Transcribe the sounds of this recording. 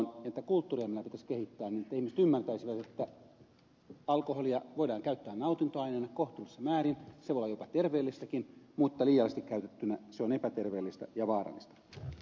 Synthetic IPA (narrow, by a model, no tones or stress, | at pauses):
nɑet̪ːækult̪ːuːriɑmːinæpit̪æskehit̪ːæːniːnĕt̪ːæihmiset̪ymːært̪æisiʋæt̪et̪ːæ | ɑlkoholiɑʋoidɑːŋkæyt̪ːæːnnɑut̪int̪oɑineːnɑkoht̪ulːisːɑmæːrinseʋolɑjopɑt̪erʋeːlːist̪ækinmut̪ːɑliːjɑlest̪ikkæyt̪et̪ːynæseonepæt̪erʋeːlːist̪æjɑʋɑːrɑ̰lːist̪ɑ̥